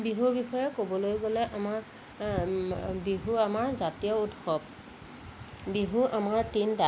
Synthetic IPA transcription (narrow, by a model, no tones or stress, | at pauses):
biɦuɹbixɔjɔkobɔlojɡolɛʔama | biɦuamaɹzatijɔudxɔb̚ | biɦuʔamaɹtinda